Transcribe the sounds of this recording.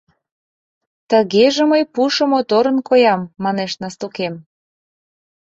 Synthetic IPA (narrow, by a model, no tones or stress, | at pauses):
t̪əɣeʒĕməjpuʃɤ̆mot̪oɾənkojɑmːɑneʃnɑst̪ukem